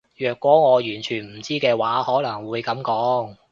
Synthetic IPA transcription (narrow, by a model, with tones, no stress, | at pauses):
jœː˨˩kwɔː˨˥ŋɔː˨˧jyː˨˩nt͡ʃʰyː˨˩nm̩˨˩t͡siː˥kɛː˧waː˨˥hɔː˨˥nɐ˨˩ŋwuː˨˧jkɐ˨˥mkɔː˨˥ŋ